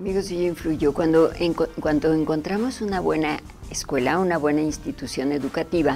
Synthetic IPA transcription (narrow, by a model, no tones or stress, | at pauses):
amiɣosiʝoiɱfluʝokwand̪oeŋkwand̪o̞eŋko̞nt̪ɾamo̞sunaβwe̞na | eskwe̞launaβwe̞nainst̪it̪usjo̞ne̞ðukat̪iβa